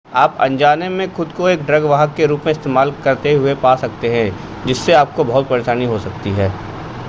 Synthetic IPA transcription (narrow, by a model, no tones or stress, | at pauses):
aːpɐ̰̃ɲd͡ʒaːnemẽxʊd̪koeːkɖɾɐɡʋaːɦəkːeɾuːpmẽɪst̪eːmaːlkɐɾt̪eɦʊepaːsɐk̚t̪eɦɛ̃ | d͡ʒɪsːeaːp̚kobɐɦʊt̪̚pɐɾeːʃaːniɦosɐk̚t̪iɦɛː